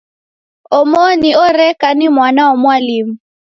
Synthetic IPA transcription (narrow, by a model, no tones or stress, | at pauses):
ɔmoniɔrɛkanimwanaɔmwaliːmu